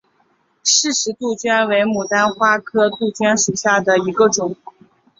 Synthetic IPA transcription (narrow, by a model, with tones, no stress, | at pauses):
ʂɻ̩˥˩ʂɻ̩˧˥t̪u˥˩t͡ɕɥɛ˥nwe˧˥ɪmu˨˩t̪a˥nxwa˥kʰɤ˥t̪u˥˩t͡ɕɥɛ˥nʂu˨˩ɕja˥˩d̪ə˩i˧˥ɡə˧ʈ͡ʂʊ˨˩˦ŋ